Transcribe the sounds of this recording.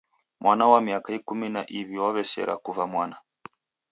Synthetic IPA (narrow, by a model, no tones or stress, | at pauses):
mwʔanawamiakaikumina̰ʔiβiwaβɛsɛ̰ɾʔa̰kuvamwana